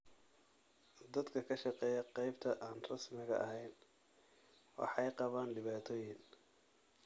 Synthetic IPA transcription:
d̪ɐd̪kʰɐkʰɐʃɑqɛːjɐqɑjbt̪ʰɐʔaːnrɑsmɪɣɐ̰ʔɐɦɛjn | wɑ̰ħɑjqɑβaːnɖɪβaːt̪ʰɔːjɪn

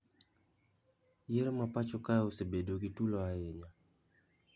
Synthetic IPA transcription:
jeɾmapat͡ʃɔkaosebedoɡitulɔaeɲa

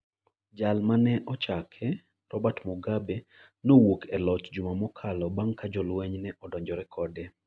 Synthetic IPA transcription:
d͡ʒalmanɛʔɔt͡ʃakʰɛ | rɔbatmuɡabe | nowokɛlɔt͡ʃd͡ʒumamɔkʰalɔbaŋkad͡ʒɔlwɛɲnɛʔɔdɔɲd͡ʒɔɾɛkʰɔdɛ

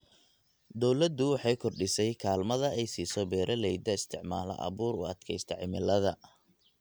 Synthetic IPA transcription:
d̪ɔwlɐd̪ːʊwɑħɑjkʰɔrɖɪsɛjkʰaːlmɐðɐɛjsiːsɔbɛːɾʔɐlɛjd̪ɐɪst̪ʰɪʕmaːlɐ̰ʔɐ̰βuːɾʊ̰ɐd̪kʰɛjst̪ʰɐʕɪmɪlɐðɐ

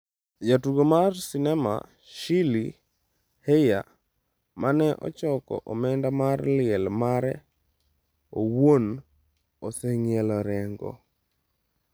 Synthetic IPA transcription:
jatuɡomarsinɛma̰ | ʃili | heja | manɛʔɔ̰t͡ʃɔkɔ̰ʔomɛndamarlɪɛlmaɾɛ | owon | osɛŋɪɛlɔɾɛŋɡɔ̰

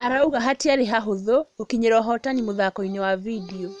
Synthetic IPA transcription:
aɾauɣaɦatiaɾeɦaɦoðookiɲeɾɔɦɔtanimoðakɔinɛwavidiɔ

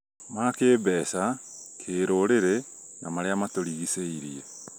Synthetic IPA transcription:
makeːbɛːsa | kʰeːɾoɾeɾe | namaɾeamatoɾiɣiseiɾiɛ

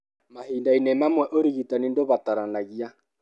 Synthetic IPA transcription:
mahiːndainɛmamwɛʔoɾiɣitanindoβataɾanaɣia

